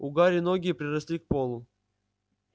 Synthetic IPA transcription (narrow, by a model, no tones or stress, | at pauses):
ʊɡaɾʲɪnoɡʲɪjːpɾʲɪrɐsʲlʲik̚polˠʊ